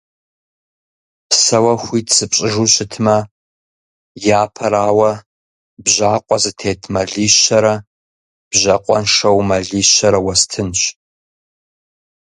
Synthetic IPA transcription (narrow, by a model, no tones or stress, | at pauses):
pʰsɐwɐxʷiːtsɨpɕʼɪʒuɕɪtʰmɐ | jaːpʰɐɾaːwɐ | bʑaːqʷʼɔzɨtʰeːtʰmɐɮiːɕɐɾɐ | b̥ʑɐqʷʼɔnʂɐwmɐɮiːɕɐɾɐwɐstʰɨnɕ